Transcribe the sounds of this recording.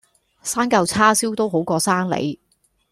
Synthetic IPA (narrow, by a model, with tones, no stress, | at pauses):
saː˥ŋkɐ˧wt͡sʰaː˥siː˥wt̪o˥wɦo˨˥wkɔː˧saː˥ŋlḛ˨˥j